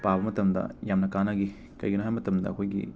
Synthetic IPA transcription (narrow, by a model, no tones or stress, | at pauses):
pabɐmɐtɐmdɐ̰jamnɐkanaɡi | kɐ̰jɡɐnuɦajmɐtɐmdɐ̰ɐkʰojɡḭ